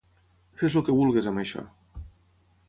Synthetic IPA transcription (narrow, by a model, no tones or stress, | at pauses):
fezlokeβulˠɣezamajʃa̰